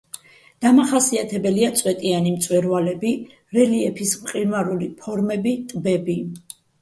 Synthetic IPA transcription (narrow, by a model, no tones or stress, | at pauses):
d̪̥amaχasiat̪ʰɛbɛliat̪sʼwɛt̪ʼianimt̪sʼwɛɾvalɛbi | ɾɛliɛpʰismqʼiɾmaɾulipʰɔɾmɛbit̪ʼbɛbi